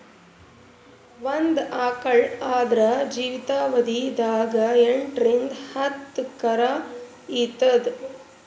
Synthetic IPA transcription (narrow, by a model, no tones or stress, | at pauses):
ʋɐnd̪aːkɐɭaːd̪ɾɐd͡ʒiːʋit̪aːʋɐd̪id̪aːɡɐeɳʈɾend̪hɐt̪ːkɐɾaː | it̪ɐd̪